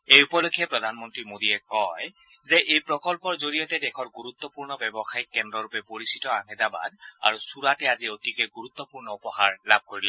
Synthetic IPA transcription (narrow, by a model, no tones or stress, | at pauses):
ejupɔlokʰijɛpɹɔdʱanmɔntɹimodiɛkɔj | zɛʔejpɹɔkɔlpɔɹzoɹijɔtɛdɛkʰɔɹɡuɹut̪ːɔpuɹnɔbɛbɔxajikːɛndɹɔɹupɛpoɹisi̥tɔaŋɛdaba̰da̰ɹusuɹatɛaziotikɛɡuɹut̪ːɔpuɹnɔupɔhaɹlab̚ʱkoɹilɛ